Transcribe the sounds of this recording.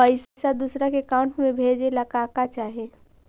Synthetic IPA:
əɪssad̪usɾakekaʊ̃ɳʈmẽbʱeːd͡ʒeləkaːkat͡ʃaːɦe

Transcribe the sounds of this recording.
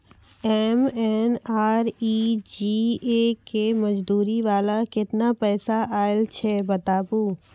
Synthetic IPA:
ɛːmɛnaːɾiːd͡ʒiːekemɐd͡ʒd̪uːɾiʋaːlakɪt̪napɛːsaʔaːɪlt͡ʃʰɛbɐt̪aːbuː

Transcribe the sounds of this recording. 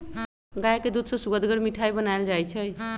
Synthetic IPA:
ɡajked̪ud̪sʌsuɡəd̪ɡəɽmiʈʰajbənaeld͡ʒajt͡ʃʰʌj

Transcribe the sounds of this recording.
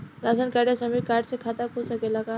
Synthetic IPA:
lasənkaɽjasəmiːkaɖsekʰat̪akusəkelaka

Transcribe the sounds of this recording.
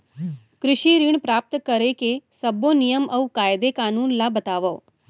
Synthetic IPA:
kɾɪʃiɾiɳ̃pɾaːp̚t̪kəɾekesəbonijəmʔəwkaːjd̪ekaːnuːnlabət̪aːʋəː

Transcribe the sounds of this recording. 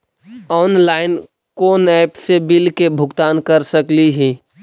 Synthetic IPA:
ɔːnlaːɪn | koːnɛːpsebɪlkebʱʊɡt̪aːnkəɾsəkliɦiː

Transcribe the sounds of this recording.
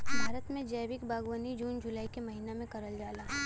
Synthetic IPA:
bʱaːɾət̪mẽd͡ʒɐːʋɪkbaːɡwənid͡ʒuːnd͡ʒʊlaːikemɐɦiːnamẽkɐɾəld͡ʒaːlaː

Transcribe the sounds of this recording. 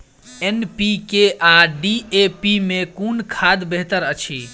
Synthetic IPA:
enpikeaɖiepimekunkʰad̪beɦt̪əɾət͡ʃʰi

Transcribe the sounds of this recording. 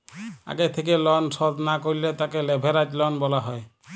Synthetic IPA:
a̰ɡet̪ʰek̬elɔnsɔd̪nakoɹilet̪akelɛbʱeɾad͡ʒlɔnbɔlaɦɔj

